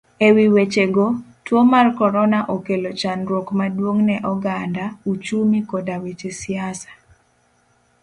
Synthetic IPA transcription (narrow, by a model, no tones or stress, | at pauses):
ewiwet͡ʃeɡotwomarkɔɾɔnaʔokelot͡ʃanɾwokmadwoŋnɛʔɔɡandaut͡ʃumikodawet͡ʃesiasḁ